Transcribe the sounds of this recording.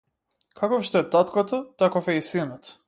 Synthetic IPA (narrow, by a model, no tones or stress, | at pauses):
kʰakɔfʃt̪ɔɛt̪at̪kat̪ɔt̪akɔfɛisinɔt̪